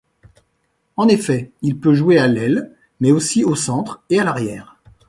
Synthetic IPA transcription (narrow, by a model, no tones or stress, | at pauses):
ɑ̃nefɛilpøʒwealɛl | mɛosiosɑ̃t̪χealaʁjɛːʁ